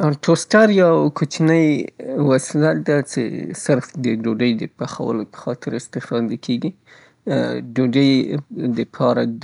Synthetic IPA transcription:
ʈʰosʈaɾjawkot͡ʃnəjwaslad̪at͡ʃḛsɪɾfd̪əɖoɖəjd̪əpaxa̰wə̰lopə̥xɑt̪ɪɾɪst̪ɪfɑd̪akʰeɡi | ɖoɖəjd̪əpʰɑɾa

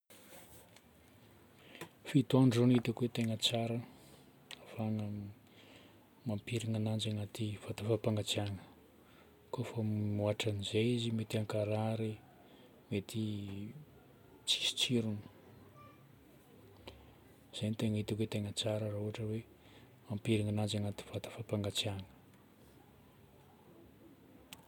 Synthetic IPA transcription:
fit̪uaɳɖ͡ʐonit̪akuwet̪eŋət͡saɾə | afaŋə | mampiɾiŋanand͡ʒaŋat̪iv̥at̪afapaŋɡat͡siaŋə̥ | kofəmuaʈ͡ʂanizejizimet̪iaŋkaɾaɾe | met̪i | t͡si̥si̥t͡siɾunu̥ | z̥enit̪eŋit̪iket̪eŋət͡saɾəraɦuaʈ͡ʂəwe | mampiɾiŋanand͡ʒaŋat̪i̥v̥at̪ḁfapaŋɡat͡sjaŋə̥

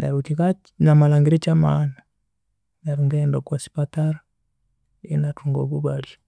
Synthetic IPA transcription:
na̰ɾutikat͡ʃ | namalaŋɡiɾit͡ʃama̰ːna | naɾuŋɡɛndɔkwasi̥pataɾa | inatʰuŋɡɔ̰ɡubali

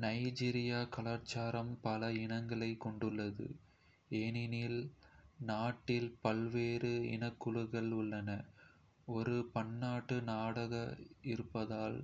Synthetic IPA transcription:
nɐɪd͡ʒiːɾɪjaːkɐɭaːɾt͡ʃaːɾɐmpɐlɐɪnɐŋɡɐɭɐɪkːɔɳɖɯɭːɐðɯ̰ | eːnɪnilnaːʈːɪlpɐlʋeːɾɯɪ̰nɐkːɯɻɯɣɐɭʊɭːɐnɐ | ɔɾɯpɐɳːaːʈːɯnaːɽɐɣɐɪɾɯpːɐðaːl

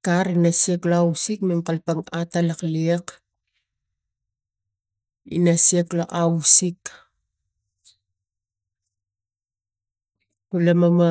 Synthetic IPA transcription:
kaɾinasieklaawsikmemkalpaŋatalakliak | ḭnasieklaʔawsik | kulamama

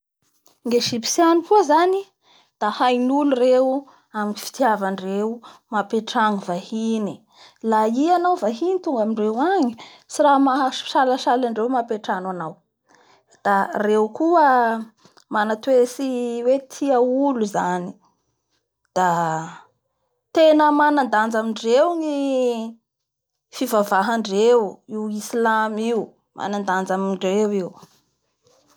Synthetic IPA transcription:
ŋɡeʃipi̥sjanikuəzani | d̪̥ahajnulureu | aminifi̥t̪javaɳɖ͡ʐeumapeʈ͡ʂaŋivahini | laianawvaɦinit̪uŋɡamiɳɖ͡ʐewaɲi | siɾamḁʃalaʃalaɳɖ͡ʐewmapeʈ͡ʂanwanaw | d̪̥arewkuə | manat̪wesiwet̪ʰiəuluzani | d̪̥a | t̪enəmanand̪and͡zamiɳɖ͡ʐewŋi | fivavaɦaɳɖ͡ʐewiwislamiu | mʔa̰nand̪and͡zamiɳɖ͡ʐewiw

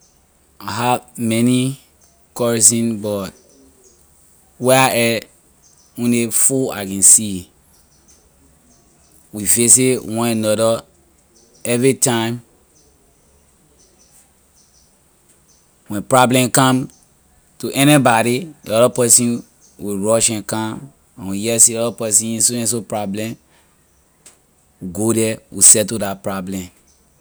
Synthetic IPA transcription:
aɦavmɛni | kɔɹisĩnbɔt̚ | wɛaʔɛ | ũnefua̰kɛ̃nsi | wifes̬ewɔ̃nãnɔdɔ | ɛvɹitãɪ̃m | wɛ̃npɹɔblɛ̃mkãm | tuʔɛnibaɾidḭɔɾɔpɛsĩn | wiɹɔʃɛ̃nkãm | ãnwijɛsiɔɾɔpɛsĩnĩnsuɛ̃ns̬opɹɔblɛ̃m | ɡodɛwʔḭsɛtudapɹɔblɛ̃m

